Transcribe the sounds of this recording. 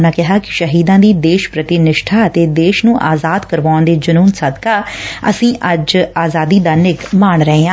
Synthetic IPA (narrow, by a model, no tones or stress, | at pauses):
nãːkɪɦaːkɪ̥ʃəɦiːd̪ãːd̪iːd̪eːʃpɾət̪ɪnɪʃʈʰaːət̪eːd̪eːʃnũːʔaːzaːd̪kəɾʋaːʊnd̪eːd͡ʒənuːnsəd̪kaːə̰sĩːʔəd͡ʒaːzaːd̪iːd̪aːnɪkmaːɳɾəɦeːãː